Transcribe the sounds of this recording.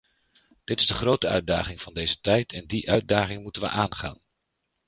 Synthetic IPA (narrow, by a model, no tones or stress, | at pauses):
d̥ɪtɪ̥zdəχrowtəœ̰ɥda̰ːχɪŋv̥ɑndejzətɛjtʰɛndiʔœɥd̚daːχɪŋmutənʋə̰ʔaːnχa̰ːn